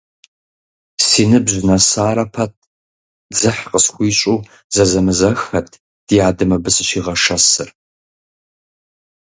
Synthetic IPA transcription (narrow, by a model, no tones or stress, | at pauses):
siːnɨbʑnɐsaːɾɐpʰɐt̚ʰ | d͡zɨħqəsxʷiːɕʼuː | zɐzɐmɨzɐxɐtʰ | d̥ijaːdɨmɐbɨsʼɨʃiːʁɐʂɐsɨr